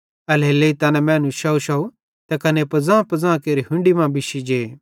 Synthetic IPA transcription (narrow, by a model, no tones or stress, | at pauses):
ɐleːleit̪ɐːnɛmɛ̃ːnũʃɐuʃɐu | t̪ɐkɐnepɐd͡zãːpɐd͡zãːkeːɾiɦʊ̃ɳɖimãbɪʃid͡ʒeː